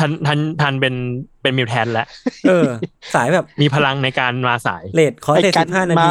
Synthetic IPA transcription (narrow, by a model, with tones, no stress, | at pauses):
t̪ʰa˧˥nt̪ʰa˧˥˩nt̪ʰa˧npe˧npe˧nmi˧wt̪ʰɛː˧nlɛ˦˥ʔʔɤː˧saː˩˦jbɛː˨˩p̚miː˧pʰa˧la˧ŋna˧jkaː˧nwaː˧sa̰ː˩˦jleː˨˩t̪̚kʰɔː˩˦t͡ɕeː˨˩si˨˩p̚haː˥˩na˧˦˥